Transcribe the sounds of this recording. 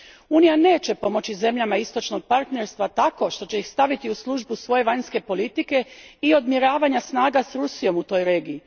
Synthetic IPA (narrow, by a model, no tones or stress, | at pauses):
uːnijane̞ːt͡ɕe̞po̞mo̞t͡ɕize̞mʎamaist̪o̞t͡ʃno̞ɡ̚paɾt̪neɾst̪ʋat̪ako̞ʃt̪o̞t͡ɕe̞jixst̪aʋit̪iuslˠuʒbusʋo̞je̞ʋaɲske̞po̞lit̪ike̞io̞d̪mjiɾaːʋaɲasnaːɡasɾusijo̞mut̪o̞ːjɾe̞ːɡiː